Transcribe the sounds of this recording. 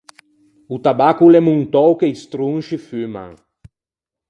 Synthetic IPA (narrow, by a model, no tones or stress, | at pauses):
ut̪abakulɛmuŋt̪ɔwkejst̪ɾũŋʃifymã̰ŋ